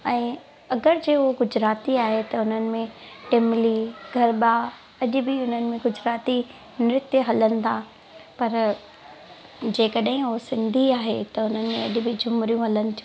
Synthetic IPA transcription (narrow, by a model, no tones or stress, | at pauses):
ɛ̃ː | ɐɡəɾd͡ʑeːoɡʊd͡ʑɾaːt̪iaːɦet̪ɐʊn̤ənɪ̆mẽʈemliɡʱɐɾɓaː | ɐʄʊ̆bɪʊn̤ənɪ̆mẽɡʊd͡ʑɾaːt̪i | mɪɾɪt̪jəɦɐlənɪ̆t̪ʰa | pɐɾ | d͡ʑeːkɐɗɦɪ̃ʊosɪ̃nd̪ʱiaːɦet̪ɐʊn̤ənɪ̆mẽɐʄʊ̆bɪd͡ʑʱʊmɾijũɦɐlənɪ̆t̪ʰiũ